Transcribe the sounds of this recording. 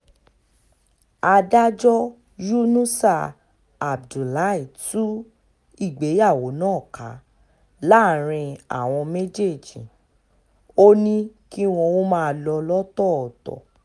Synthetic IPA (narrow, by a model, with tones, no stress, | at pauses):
a˧da˦d͡ʒɔ˦ | ju˦nũ˦sa˦˨ | a˨b̚du˨la˨˦i˦˨tũ˦ | i˦˨ɡ͡be˨˦ja˦˨wo˨˦nãː˦˨ka̰˨˦ | la˦˨ɾ̃ĩ˧a̰˨w̃ɔ̃˧me˦d͡ʒe˦˨d͡ʒĩ˨ | o˦nĩ˦ki˦w̃ɔ̃˧wo˦mãː˦˨˧lɔ˧lɔ˦tɔ˦˨ɔ˨tɔ̰˨